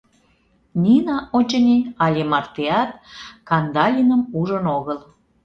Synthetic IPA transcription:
nʲinɑʔot͡ɕənʲeɑlʲemɑrt̪eɑt̪̚kɑnd̪ɑlʲinəmuʒənoɣəl

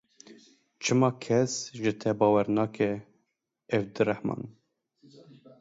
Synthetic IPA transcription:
t͡ʃʰɨmɑːkʰɛsʒɨt̪ʰɛbɑːwɛɾnɑːkɛ | ɛvd̪ɨɾæhmɑ̰ːn

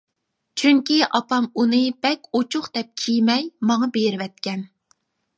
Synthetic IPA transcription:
t͡ʃʰyŋkʲiʔɑpɑmunɨbɛkʲot͡ʃʰʊχd̪ɛp̚kʲʰijmɛjmɑŋɑbeɾɪwɛt̪̚kʲɛn

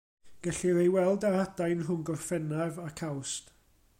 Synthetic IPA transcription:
ɡ̥ɛɬiɾejwɛlˠdaadajnrʊnɡɔrfɛnavakʰawst

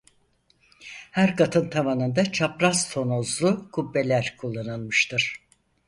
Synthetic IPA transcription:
hæɾkʰat̪ʰɯnt̪ʰamanɯnd̪at͡ʃʰapɾast̪ʰo̞nozlˠukʰubːe̞lʲæɾkʰulˠːanɯlˠmɯʃt̪ɯɾ̥

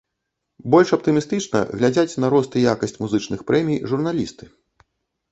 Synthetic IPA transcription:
bɔlʲʂɐp̚t̪ɨmʲist̪ɨt͡ʂnɐ̰ɣlʲad͡zʲat͡sʲnɐɾɔst̪ɨjakɐsʲt͡sʲmuzɨt͡ʂnɨxpɾɛmʲijʐurn̪alʲḭst̪ɨ̥

